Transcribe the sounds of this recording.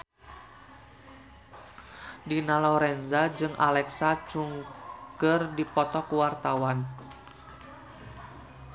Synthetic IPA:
dinalɔɾɛnzad͡ʒɨŋʔa̰lɛksat͡ʃuŋkərdipɔt̪ɔkuwart̪awan

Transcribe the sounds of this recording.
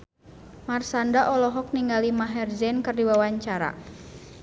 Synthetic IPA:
marsandaʔɔlɔɦɔk̚niŋɡalimaɦɛrzɛnkɨrdiwawaɲt͡ʃaɾa̰

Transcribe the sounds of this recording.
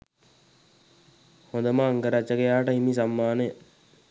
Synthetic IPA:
hond̪əmaːŋɡəɾat͡ʃːəkejaːʈəimis̬amːaːnəjə

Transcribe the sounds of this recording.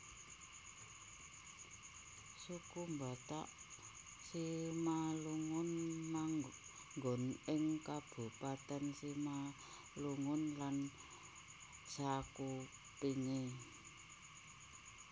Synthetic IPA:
sukumba̤t̪aʔ | simaluŋʊnmaŋ | ŋɡɔ̤nɪŋkab̥ṳpat̪ənsima | luŋʊnlan | d͡ʒ̥aku | piŋe

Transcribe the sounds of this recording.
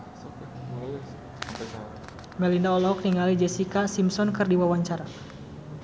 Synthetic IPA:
mɛlinaɔlɔɦɔk̚niŋalid͡ʒɛsikasimsɔnkɨrdiwawaɲt͡ʃaɾa

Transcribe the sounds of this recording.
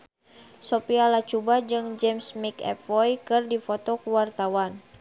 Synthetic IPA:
sopialat͡ʃubad͡ʒɨŋd͡ʒɛmsmikɛ̰pvɔjkɨrdifɔt̪ɔkuwart̪awan

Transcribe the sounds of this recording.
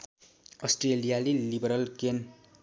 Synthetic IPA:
ʌsʈrelijalilibʌɾʌlken

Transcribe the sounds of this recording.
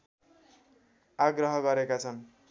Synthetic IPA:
aɡrʌɦʌɡʌɾekat͡sʰʌn

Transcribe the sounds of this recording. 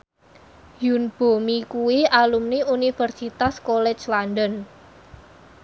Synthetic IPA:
junb̥o̤mikuwiʔalumniunifərsit̪askolɛ̥t͡ʃlanɖɔn

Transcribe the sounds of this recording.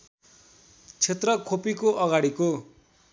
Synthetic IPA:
t͡sʰet̪rʌkʰopikoʔʌɡaɽiko

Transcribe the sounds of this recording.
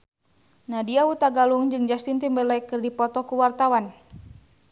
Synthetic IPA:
nadiaut̪aɡaluŋd͡ʒɨŋd͡ʒast̪int̪imbɛlakɨrdipɔt̪ɔkuwart̪awan

